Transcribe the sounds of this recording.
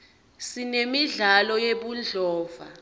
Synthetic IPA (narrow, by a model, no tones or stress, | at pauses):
sinemiɮalɔjeɓund͡ɮʱɔːva̰